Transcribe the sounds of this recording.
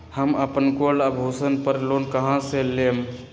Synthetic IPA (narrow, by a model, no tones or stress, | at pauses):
həməpənkolabʱusənpəɾlonkəɦãselem